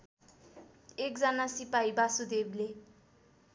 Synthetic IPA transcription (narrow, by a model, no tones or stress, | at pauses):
ek̚d͡zʌnasipaibasud̪ebile